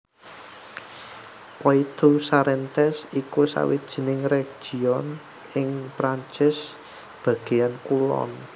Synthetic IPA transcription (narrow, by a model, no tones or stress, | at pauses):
pɔit̪usaɾɛnt̪ɛsikusa̰wid̥ʒ̥i̤nɪŋreɡ̥ʒ̥i̤ɔn | ɪŋpɾaɲt͡ʃɪs | b̥ä̤ɡ̥e̤jankulɔ̰n